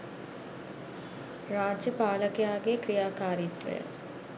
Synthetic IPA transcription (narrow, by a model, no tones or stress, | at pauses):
raːd͡ʒjəpaːləkejaːɡekrijaːkaːɾit̪ʋə̰jə̰